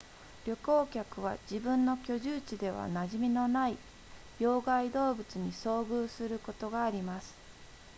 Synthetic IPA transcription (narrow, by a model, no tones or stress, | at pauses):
ɾʲo̞ko̞ːkʲakɯ̟β̞a̰d͡ʑibɯ̟̃nːo̞kʲo̞ʑɨːt͡ɕid̪e̞βa̰naʑimʲino̞nai | jo̞ːɡaid̪o̞ːbɯ̟t͡sɨɲ̟iso̞ːɡɯːsɨɾɯ̟ko̞t̪o̞ɡaːɾʲimasɨ̥